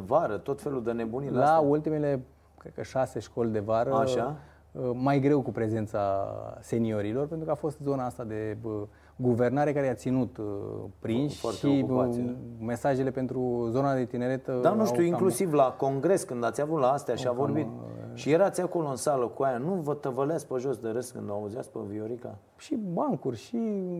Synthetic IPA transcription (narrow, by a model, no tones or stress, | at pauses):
vaɾət̪o̞t̪fe̞lud̪əne̞buniɾlault̪ime̞le̞ | kɾekəʃase̞ʃko̞lʲd̪e̞vaɾəaʃa | majɡɾe̞wkupɾe̞ze̞nt̪sase̞nio̞ɾilo̞rpent̪ɾukəafo̞st̪zo̞naast̪ad̪e̞ | ɡuve̞rnaɾekaɾeat̪sinut̪pɾinʃfarʃeiok | me̞saʒe̞le̞pe̞nt̪ɾuzo̞nad̪e̞t̪ine̞ɾe̞t̪əd̪anuʃt̪juiŋklusivlako̞ŋɡɾe̞skɨnd̪at̪sʲavut̪laast̪eaʃiavorbit̪̚ʃijeɾat̪siako̞loɨnsaləkuajanuvət̪əvəleaspəʒo̞sd̪eɾəskɨ̰nd̪oauzia̰spəvioɾika̰ | ʃibaŋkurʲʃi